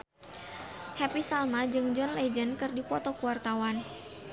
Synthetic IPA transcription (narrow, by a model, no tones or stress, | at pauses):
hɛpisalmad͡ʒɨŋd͡ʒɔnlɛd͡ʒənkɨrdipɔt̪ɔkuwart̪awan